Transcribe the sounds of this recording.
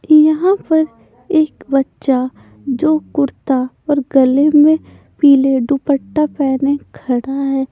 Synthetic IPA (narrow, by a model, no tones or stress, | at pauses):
jɐɦãpɐɾ | eːkbɐtːʃa | d͡ʒoːkʊɾt̪a | ɔːɾɡɐlemẽ | piːleɖʊpəʈːapɛːnekʰɐɽaɦɛː